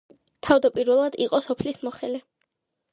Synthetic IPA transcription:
t̪ʰavd̪apʼiɾvɛlˠad̪iqʼɔsɔpʰlismɔχɛlɛ

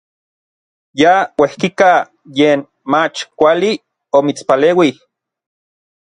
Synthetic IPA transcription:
jawehkika | jeːn | mat͡ʃkʷali | omit͡spaleːwi

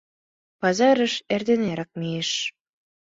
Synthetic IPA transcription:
pɑzɑɾə̆ʃerd̪eneɾɑk̚mieʃ

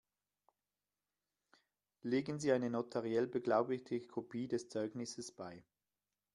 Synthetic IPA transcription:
leːɡənziːaɪnənotʰaʁiɛlbəɡlaʊbɪtəkʰopʰiːdɛst͡sɔʏɡnɪsəsb̥aɪ

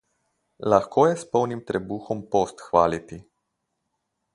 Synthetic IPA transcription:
laxkʰoːjɛspɔwnimt̪ɾɛbuːxɔmpoːst̪xʋaːlit̪i

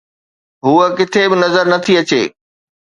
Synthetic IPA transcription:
ɦuːəkɪt̪ʰebɪnɐzəɾnɐt̪ʰiɐt͡ɕḛː

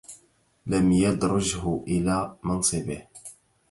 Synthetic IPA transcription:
lamjɑd̪ɾˤʊʒhʊʔɪlamɑnsˤɨbɪh

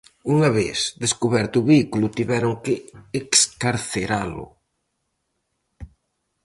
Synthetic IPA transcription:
uŋaβḛθd̪eskuβɛɾt̪ʊːβeikulʊt̪iβɛɾʊŋkɪːkskaɾθeɾalʊ̰

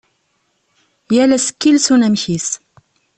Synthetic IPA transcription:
jælæsə̥kːilsunæmçis

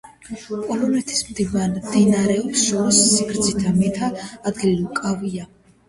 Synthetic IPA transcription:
pʼɔlɔnɛt̪ʰi̥smd̪ivand̪inaɾɛɔpsʃɔɾɔsːikʰɾd̪zit̪ʰamɛt̪ʰaːd̪ɡililukʼavia

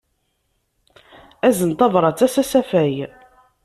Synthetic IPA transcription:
æzənt̪ɑvɾˤɑt͡sːæsæsæfæj

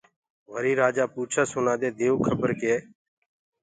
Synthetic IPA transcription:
ʋəɾiːɾaːd͡ʒaːpuːt͡ʃʰaːsʊnaːd̪eːd̪eːoːkʰəbəɾkeː

